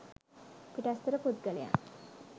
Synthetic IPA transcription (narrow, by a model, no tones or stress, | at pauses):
piʈɐst̪uɾəpud̪̚ɡɐleja̰